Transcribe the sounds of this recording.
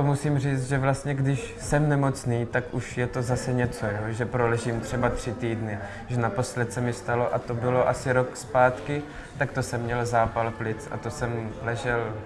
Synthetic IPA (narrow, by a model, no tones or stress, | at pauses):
musiːmr̝iːt͡st̪ʒɛvlast̪ɲɛɡdɪʃsɛmnɛmo̞t͡sniːt̪akʔuʃjɛt̪o̞zasɛɲɛt͡so̞joːʒɛpɾolɛʒiːmt̪r̝̥ɛbat̪r̝̥ɪt̪iːdnɪ | ʒɛnapo̞slɛt̪sɛmɪst̪alo̞ʔat̪obɪlo̞ʔasɪɾo̞kspaːt̪kɪ | t̪akt̪osɛmːɲɛlzaːpalplɪt͡sa̰t̪o̞sɛmlɛʒɛl